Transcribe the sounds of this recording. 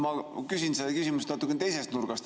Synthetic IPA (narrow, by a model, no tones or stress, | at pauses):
mɑkysʲinseɑkysimust̪nɑt̪ːˑukːˑent̪ejse̞st̪nuɾɡ̥ɑst̪